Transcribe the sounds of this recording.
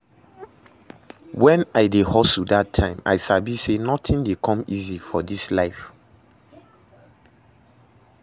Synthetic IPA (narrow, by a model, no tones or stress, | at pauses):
wɛ̃naɪdehɔsudatʰːãɪ̃ma̰ɪsabisenɔtʰĩndekʰɔ̃mizifɔdislaɪf